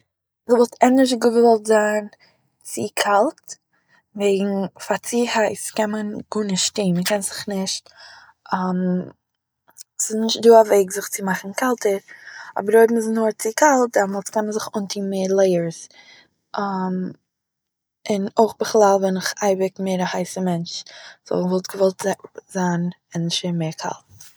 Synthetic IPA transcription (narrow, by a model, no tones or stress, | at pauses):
ɪvɔlˠtʰɛnəɾʃ̬əɡʊbəvɔlˠtzaːn | t͡sɪkʰalˠt | veɪɡŋ̩fat͡siːhaɪskɛnmənɡ̥unəʃtiːnməkɛnzɪχnɪʃt | am | sɪsnɪʃt̚duːaveɪɡzɪχt͡sɪmaχn̩kalˠtəɾɔ̰bəɾoɪbm̩ɪsnʊːɾt͡sɪkʰalˠt̚dɛɾmɔlˠt͡skɛnmənzɪχʊntʰiːmeːɾlˠeɪəɾs | ʔam | ɪnoɪχbəχlˠalˠvɛnɪχaɪbɪkmeɪɾahaɪsəmɛnt͡ʃz̥ɔ̰lˠvɔlˠtɡ̥əvɔlˠtzz̥an | ɪnʃemeɪɾkʰa̰lˠt̚